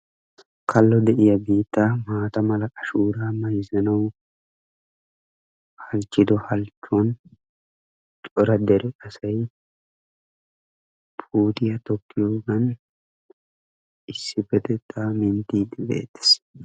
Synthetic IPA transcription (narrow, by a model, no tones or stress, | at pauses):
kʰɐlːɔd̪ɛʔɪjɐbiːt̪ːamaːt̪ɐmɐlɐkʼɐʃuːɾaːmɐjzɐnɐw | hɐlt͡ʃːɪd̪ɔhɐlt͡ʃːɔn | t͡ʃʼɔɾɐd̪ɛɾɛɐsɐj | pʰuːt̪ʼɪjɐt̪ɔkːɪjoːɡɐn | ɪsːɪfɛt̪ɛt̪ːamɪnt̪iːd̪ɪbḛːt̪ːɛ̥s